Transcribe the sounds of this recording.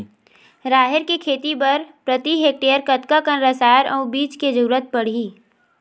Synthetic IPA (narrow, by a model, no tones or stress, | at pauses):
ɾaːɦeɾkekʰeːt̪ibɐɾpɾət̪iɦeːk̚ʈeːəɾkət̪kakənɾəsaːɾʔɔːbiːt͡ʃked͡ʒuɾət̪̚pəɽ̤iː